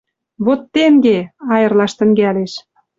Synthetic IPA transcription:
βot̪ːeŋɡeɑjə̆rlɑʃt̪ə̆ŋɡæleʃ

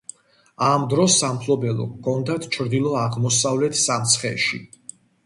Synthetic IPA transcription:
amd̪ɾɔsːampʰlˠɔbɛlˠɔ̰kʰːɔnd̪at̪ʰt͡ʃʰɾd̪ilˠɔaʁmɔsavlɛt̪ʰsamt̪sʰχɛ̰ʃḭ

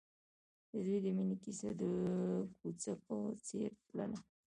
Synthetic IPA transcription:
d̪əd̪ujd̪əminikisa̰d̪əkut͡sakot͡seɾpla̰na

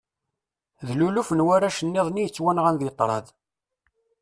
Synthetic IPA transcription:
ðlulufənwaɾaʃənːeðˤnijət͡sːwænʁænðit̪ˤːɾˤɑð

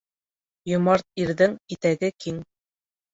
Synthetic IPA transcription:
jŏmɑɾt̪̚iɾðɘŋit̪æɡɘkiŋ

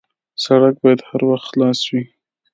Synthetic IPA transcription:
saɽak̚bɑjad̪haɾwaxt̪xlɑswi

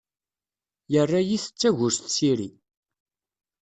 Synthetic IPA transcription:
jərːajiθə̥t͡sːæʝʊɾsθsiɾi

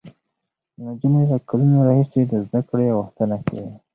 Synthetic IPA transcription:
nad͡ʒumelakalunaɾɑhised̪əzd̪akɽejawəxt̪ənaka̰wi

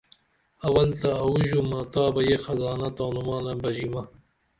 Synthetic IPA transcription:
ɐwɐlt̪ɐːwuʑumaːt̪ɑːbɐjexɐzɑːnɐt̪aːnumɑːnɐbɐʑimɐ

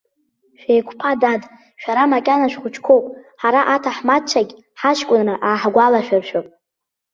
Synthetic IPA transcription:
ʃᶣejkʷʰpʰadad | ʃᶣaɾamakʲʼanaʃᶣχʷʊt͡ʃʰkʷʰo̞wpʼħaɾaʔatʰaħmat͡ʃʷʰaɡʲ | ħaʃkʷʼʊnrɨʔaːħɡʷalaʃᶣarʃᶣopʼ

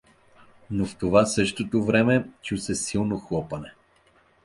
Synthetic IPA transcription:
noft̪ovasɤʃt̪ot̪ovɾɛmɛt͡ʃusɛsilˠnoxlˠɔpɐnɛ

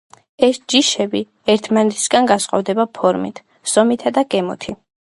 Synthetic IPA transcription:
ɛsd͡ʒiʃɛbi | ɛɾt̪ʰmanɛt̪ʰi̥sɡanɡasqʼɔ̰vd̪ɛbapʰɔɾmḭt̪ʰ | z̥ɔmit̪ʰad̪akʼɛmɔ̰t̪ʰi

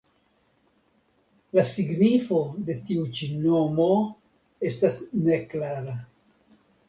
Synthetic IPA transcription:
lasiɡnifo̞de̞tiut͡ʃino̞mo̞ | e̞stasne̞klaɾa

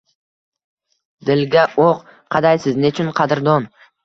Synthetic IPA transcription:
d̪ɪlɡʲaʔoq | qʰɑd̪ajsɪznɪt͡ʃʰʊnqʰɑd̪ɪɾd̪ɒn

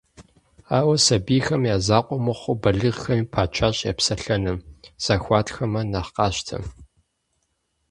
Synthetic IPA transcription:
aːwɐsɐbiːxɐmjaːzaːqʷʼɔmɐχʷʊbɐɮɨʁxɐmiːpʰaːt͡ʃʰaːɕʼja̰ːpsɐɬɐnɨmz̥aːxʷɑːtʰxɐmɐnɐχqɑːɕtʰɐ̰

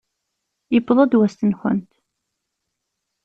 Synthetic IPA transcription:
jəbðˤɑd̪wæst̪ənxə̰nt̪

